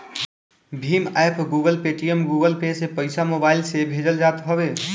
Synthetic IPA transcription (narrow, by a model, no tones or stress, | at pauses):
bʱimapʰɡuɡəlpeʈijəmɡuɡəlpesepəɪjsamobaɪlsebʱed͡ʒəld͡ʒat̪ɦɔbe